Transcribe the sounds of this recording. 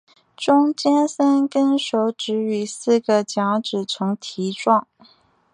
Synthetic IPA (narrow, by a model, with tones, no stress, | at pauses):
ʈ͡ʂʊ˥ŋt͡ɕjɛ˥nsə˥nkə˥nʂo˧˥ʊʈ͡ʂɻ̩˧˥y˨˩sɹ̩˥˩ɡə˨t͡ɕjɑ˧˥ŋʈ͡ʂɻ̩˨˩t͡sʰʊ˧˥ŋt̪ʰi˧˥ʈ͡ʂwɑ˥˩ŋ